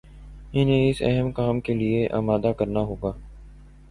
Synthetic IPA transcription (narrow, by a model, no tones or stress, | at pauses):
ɪnẽɪsɛ̰ɦəmkaːmkelieʔa̰ːmaːd̪akɐɾnaɦoːɡaː